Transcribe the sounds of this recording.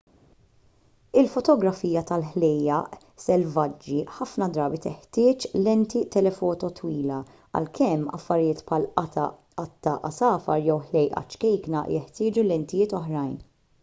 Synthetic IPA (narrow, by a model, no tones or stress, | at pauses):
ɪlfɔt̪ɔɡɾɐfiːjɐt̪ɐlħlɛjɐʔ | sɛlvɐd͡ʒːiħɐfnɐd̪ɾɐːbit̪ɛħt̪ɪːt͡ʃlɛnt̪it̪ɛlɛfɔːt̪ɔt̪ʰwiːlɐ | ɐ̰lkʰɛmːɐ̰fːɐɾjɪːt̪pʰħɐlɐt̪ɐ | ɐt̪ːɐʔɐsɐːfɐ̰ɾjɛwħlɛjʔɐ̰t͡ʃkɛjknɐ̰jɛħt̪ɪːd͡ʒulɛnt̪ɪjɪːt̪ɔħɾɐjn